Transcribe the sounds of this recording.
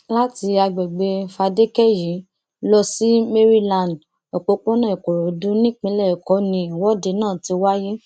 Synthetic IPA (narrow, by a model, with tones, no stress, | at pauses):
la˦ti˧a˧ɡ͡bɛ˨ɡ͡be˧fa˧de˦kɛ˦˨jĩ˨˦ | lɔ˧si˦me˦ɾi˦lã˨nd | ɔ˨k͡po˨˧k͡põ˦nã˦˨i˨ko˨ɾo˨dũ˦nĩ˦k͡pĩ˧˦lɛ˦˨kɔ˨˦nĩ˧i˨wɔ˨˦de˧˦nãː˦˨ti˧wa˦ji˦